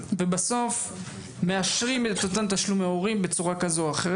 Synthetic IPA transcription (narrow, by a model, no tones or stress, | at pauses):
vebaso̞f | me̞aʃʁimet̪ot̪ant̪aʃlumaoʁimbe̞t͡suʁakazoaχeʁe